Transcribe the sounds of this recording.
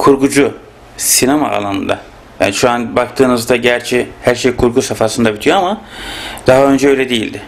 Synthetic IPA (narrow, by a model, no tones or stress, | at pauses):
kʰuɾɡud͡ʒu | sinama̰ʔa̰lˠanɯ̰nd̪a̰ | ja̰ːniʃuanbakt̪ʰɯːnɯzd̪aɟæɾt͡ʃʰɛhæɾʃejkʰuɾɡusafasɯnd̪abit̪ʰijoamad̪̥aɦaø̞nd͡ʒɛø̞jlʲɛd̪ejilʲd̪ɪ